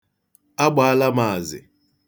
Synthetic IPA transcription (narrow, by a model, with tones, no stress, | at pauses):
a˦ɡ͡ba˨a˦la˦ma˨a˨zɪ̰˨